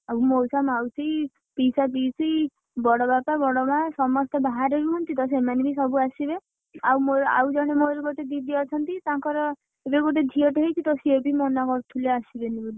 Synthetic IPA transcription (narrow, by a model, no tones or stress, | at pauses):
awmowsamawsʰij | pisapiːsij | bɔɽɔbapabɔɽɔmasɔmɔst̪ɔbaɦaɾeɾuɦɔnt̪it̪ɔs̬emanebisɔbuasibe | awmoɾa̰wd͡ʒɔɽ̃emoɾuɡoʈed̪id̪eɔt͡ʃʰɔnt̪it̪ãŋkɔɾɔ | ebeɡoʈ̬ed̪ʱiɔʈeɦet͡ʃʰit̪ɔsiebimɔnakɔɾt̪ʰuleasibenibuli